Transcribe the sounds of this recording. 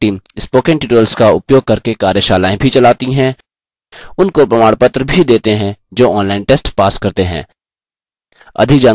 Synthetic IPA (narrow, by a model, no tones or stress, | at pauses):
iːmɪspoːkẽɳʈiːʈəlskaʊpjoːɡ̚kɐɾkekaːɾjəʃaːlaːẽbʱit͡ʃɐlaːt̪iɦɛ̃ | ʊnkopɾɐmaːɽpət̪ɾəbʱid̪eːt̪eɦɛ̃d͡ʒoːɔ̃ːnlaːɪnʈeːsʈpaːskɐɾt̪eɦɛ̰̃ː | ɐ̰d̪ʱɪkd͡ʒãː